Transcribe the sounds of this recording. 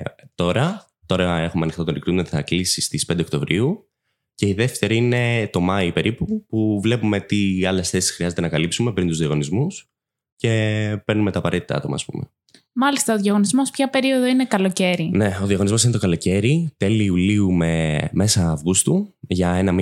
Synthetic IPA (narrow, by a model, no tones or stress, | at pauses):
t̪o̞ɾɐ | t̪o̞ɾɐe̞xumeɐnixt̪ɐt̪onɾikɾinoθɐklisist̪ispnd̪ekt̪o̞vɾʔiu | ce̞iðe̞ft̪e̞ɾiine̞t̪o̞mɐipe̞ɾipupuvle̞pume̞t̪iɐle̞sθe̞si̥sxɾiɐze̞t̪e̞nɐkɐlipsume̞pɾint̪uzðiɐɣo̞nizmus | ce̞peɾnume̞t̪ɐːpɐɾe̞t̪it̪ɐɐ̰t̪o̞mɐ̰ːspṵmḛ | mɐlist̪ɐoðjɐɣo̞nizmo̞spçɐpe̞ɾio̞ðoine̞kɐlo̞ce̞ɾineo̞ðiɐɣo̞nizmo̞sinet̪o̞kɐlo̞ce̞ɾit̪e̞liːuliume̞me̞sɐːvɣust̪uʝɐe̞nɐmi